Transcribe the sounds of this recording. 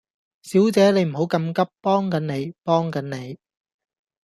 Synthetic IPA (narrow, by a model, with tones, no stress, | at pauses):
siː˨˥wt͡sɛː˨˧ne˨˧jm̩˨˩ɦo˨˥wkɐ˧mkɐ˥pːɔː˥ŋkɐ˨˥nne˨˧jpɔː˥ŋkɐ˨˥nne˨˧j